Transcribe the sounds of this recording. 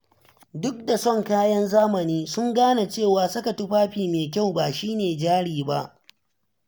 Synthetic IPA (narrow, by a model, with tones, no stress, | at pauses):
dʊ˦k̚da˨sɔ˦˨ŋkaː˦jɐ˦nzaː˦mɐ˨niː˦sʊ˦ŋɡaː˦na˨t͡ʃeː˦˨waː˨sʊ˦ka˨tʊ˦ɸaː˦ɸiː˨meː˨kʲa˦˨wbaː˨ʃiː˦neː˨d͡ʒaː˦ɽiː˨ba̰˦ʔ